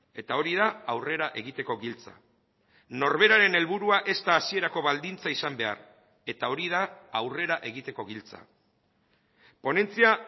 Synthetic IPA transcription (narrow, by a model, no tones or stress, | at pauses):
e̞t̪ao̞ɾið̞aawre̞ɾaʔe̞ɣ̞it̪e̞ko̞ɣilt͡sa̰ | no̞ɾβe̞ɾaɾe̞ne̞lβuɾuaʔe̞st̪aːsie̞ɾako̞βald̪int͡saisambe̞a̰ɾ | e̞t̪ao̞ɾið̞aːwre̞ɾaʔe̞ɣit̪e̞ko̞ɣilt͡sa̰ | po̞ne̞nt͡sia